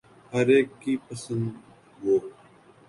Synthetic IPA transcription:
həɾeːkːiːpəsə̃nd̪ | ɡoː

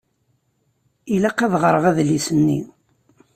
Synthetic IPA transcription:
ilæqæðʁəɾˤəʁæðlisənːḭ

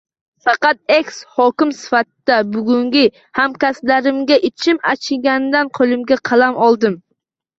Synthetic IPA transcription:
fɑqɑt̪̚ekʲshɒkʲɪmsɪ̥fat̪ɪd̪̥abʊɡʲʊŋɡʲɪ | hamkʲaslaɾɪmɡʲaʔɪt͡ʃʰɪmat͡ʃʰɪɡʲand̪anqʰolˠɪmɡʲaqʰɑlamɒlˠd̪ɪm

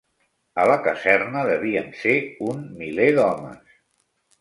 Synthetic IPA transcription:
ələkəzɛrnəðəβ̞iəmseunmileðɔmə̰s

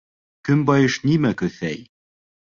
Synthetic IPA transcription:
kɵmbɑjɤ̆ʃnimækɵ̆θæj

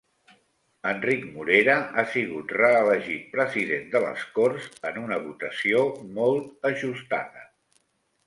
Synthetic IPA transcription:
əndrikmuɾeɾəʔasiɣ̞ut̪rəːləʒit̪̚pɾəziðend̪ələ̰skorzənunəβut̪əsiomɔlˠt̪əʒust̪a̰ðə

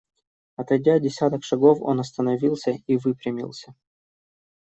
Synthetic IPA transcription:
ɐt̪ɐdʲadʲɪsʲat̪əkʂɐɡo̞fo̰nɐst̪ənɐvʲilˠsʲəivɨpɾʲɪmʲḭlˠsʲə

